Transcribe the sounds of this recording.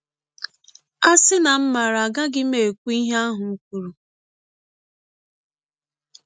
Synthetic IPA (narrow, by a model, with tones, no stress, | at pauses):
a˦sɪ˦na˨m̩˦ma˨ɾa˨a˨ɡa˦ɡɪ˦me˨kʷu˦i˦ɦe˦a˦ɦʊ˨˦kʷu˨ɾu˨